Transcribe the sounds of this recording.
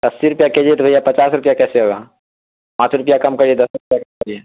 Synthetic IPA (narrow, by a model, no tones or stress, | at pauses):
d̪ɐsːiɾʊpjaked͡ʒeːt̪bʱɐjapɐt͡ʃaːsɾʊpjakɛːseɦoːɡaː | pãːt͡ʃɾʊpjakɐmkɐɾied̪ɐsɾʊpjakɐmkɐɾieː